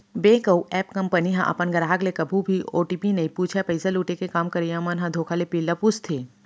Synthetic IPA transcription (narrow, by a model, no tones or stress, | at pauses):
beːkəwɛːpkɐmpəniɦã̰ʔɐ̰pənɡɐɾaːɡlekɐbʱũbʱioːʈiːpinɐipuːt͡ʃʰɛpɐɪsaluːʈekekaːmkɐɾijãːmɐnɦãd̪ʱoːkʰalepɪlːɐpust̪ʰeː